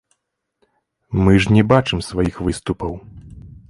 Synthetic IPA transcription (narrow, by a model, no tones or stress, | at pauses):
mɨʐnʲɛbat͡ʂɨmsvajixvɨst̪upɐw